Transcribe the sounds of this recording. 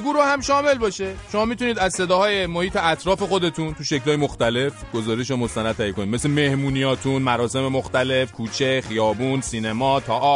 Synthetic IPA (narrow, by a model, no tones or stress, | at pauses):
ɡuːɾoːhæmʃɒːme̞lbɒːʃe̞ʃo̞mɒːmit̪uniːd̪æzse̞d̪ɒːhɒːje̞mo̞hiːt̪ʰe̞æt̪ʰɾɒːfe̞xo̞d̪e̞t̪ʰunt̪uʃeclɒːjemoxt̪æle̞fɡ̥o̞zɒːɾeʃ̬omost̪ænæd̪̚ʰæjekʰo̞nime̞seme̞hmuːnijɒːt̪ʰunmæɾɒːse̞me̞moxt̪æle̞fkʰuːt͡ʃʰe̞χijɒːbunsiːnemɒːt̪ʰɒʔɒ